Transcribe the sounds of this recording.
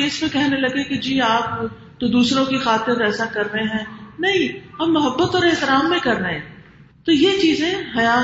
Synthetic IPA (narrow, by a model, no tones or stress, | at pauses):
eɪspekɛːɦnelɐɡeked͡ʒiːaːp̚ | t̪od̪uːsɾõkixaːt̪ɪɾɛːsakɐɾnəeɦɛ̃ːnɐɦĩɐmːʊɦəbːət̪ɔːɾɪɦt̪ɪɾaːmːẽkɐɾnəẽ | t̪ojet͡ʃiːzẽɦɐjaː